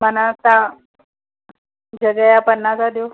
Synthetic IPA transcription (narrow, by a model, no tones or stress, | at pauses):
mənat̪a | d͡ʑəɡjajapənːad͡zad̪jo